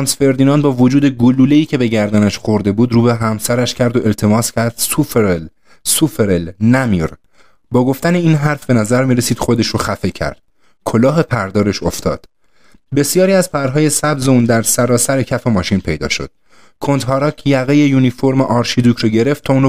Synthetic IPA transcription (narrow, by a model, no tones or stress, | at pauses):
nsfe̞ɾd̪iːnɒːnbɒːvod͡ʒuːd̪eɡoluːleiːcʰe̞be̞ɟæɾd̪ænæʃxo̞ɾd̪e̞buːd̪ɾuːbeɦæmsæɾæʃcʰæɾd̪o̞ʔe̞lt̪ʰe̞mɒːscʰæɾd̪̥sufɾl | sufeɾelnæmiɾ | bɒːɡo̞ft̪æne̞iːnɦæɾfbe̞næzæɾmiːɾesiːd̪̥xo̞d̪eʃɾoxæfe̞cʰæ̰ɾd̪̥̚ | kʰo̞lɒːɦe̞pʰæɾd̪ɒːɾe̞ʃo̞ft̪ʰɒ̰ːd̪̥ | be̞sijɒːɾiːæzpʰæɾɦɒːje̞sæbze̞uːnd̪æɾsæɾɒːsæɾecʰæfe̞mɒːʃinpʰe̞jd̪ɒ̰ːʃo̞̰d̪̥ | kʰont̪ɦɒːɾɒːkʰjæɣejejuːnifoɾmeʔɒːɾʃid̪uːkʰɾoːɟe̞ɾe̞ft̪ʰːɒːuːn